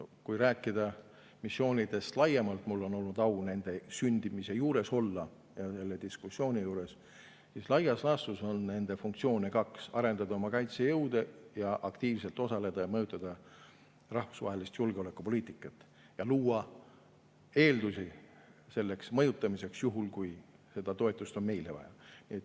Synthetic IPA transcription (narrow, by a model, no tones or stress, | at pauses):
kujɾæːkˑːid̪̥ɑ | misːjo̞ːnʲid̪̥e̞st̪lɑjemɑlt̪mulːo̞no̞lnud̪ɑwne̞nd̪̥e̞synʲd̪imise̞juːɾe̞so̞lːɑ | jɑse̞lːe̞d̪̥iskusːio̞ːnʲijuːɾe̞s | sislɑjɑslɑsuso̞nne̞nd̪e̞fuŋkt̪sio̞ːnʲikɑksɑɾe̞nd̪̥ɑd̪ɑo̞mɑkɑjt̪sejɤwd̪̥ejɑʔɑkt̪iːvse̞lt̪ˑo̞sɑle̞d̪̥ɑjɑmɤjut̪ːˑɑd̪̥ɑ | rɑhfu̥svɑ̰ːɦe̞list̪julɡ̥eo̞le̞kːˑupo̞liːt̪ˑikːˑɑt̪ːˑ | jɑluːɑ | e̞ːld̪usi | se̞lːe̞ksmɤ̞jut̪ˑːɑmise̞ksjuɦulkuj | se̞d̪̥ɑt̪o̞e̞t̪ˑːust̪o̞nme̞jle̞vɑ̰jɑ̰niet̪ːˑ